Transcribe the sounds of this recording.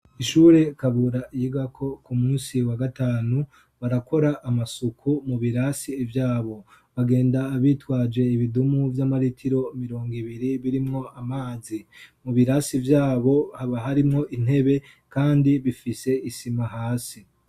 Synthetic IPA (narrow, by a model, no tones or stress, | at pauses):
iʃuːɾe̞kaβuɾaʔijiɡakʰo̞kumuːnsiwaɡataːnu | βaɾako̞ɾaʔːmasukʰumuβiɾasivjaːβo̞ | βaɡe̞ːndaːβiːtwaːd͡ʒe̞iβidumuvjamaɾitʰiɾo̞miɾo̞ːŋɡiβiɾiβiɾimŋo̞ʔamaːzimuβiɾasivjaːβo̞haβaɦaɾimŋo̞ʔin̥e̞βe̞ | kaːndiβifise̞isimaɦaːsi